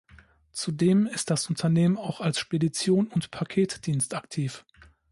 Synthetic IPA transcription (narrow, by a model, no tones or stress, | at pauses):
t͡sudeːmɪstd̥asʊntʰɐneːmənaʊxalsʃpedit͡sjoːnʊntpʰakʰeːtd̥iːnstaktʰiːf